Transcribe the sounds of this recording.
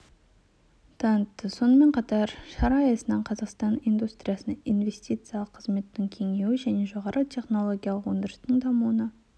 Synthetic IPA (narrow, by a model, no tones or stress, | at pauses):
d̪̥ɑnt̪ːəso̞nəme̞ɴqʰɑt̪ɑɾʃɑɾɑːjɑsənɑɴqʰɑzɑqst̪ɑnijnd̪ust̪ɾʲijɑsənijnve̞sʲt̪ʲijt̪sɨjalˠəqʰːəzme̞t̪ːɪŋkʲʰe̞ŋe̞wɪʒæne̞ʒo̞ʁɑɾʔət̪ʲʰe̞χno̞lˠoɡʲijalˠəqwond̪əɾəst̪əɴd̪ɑmuwənɑ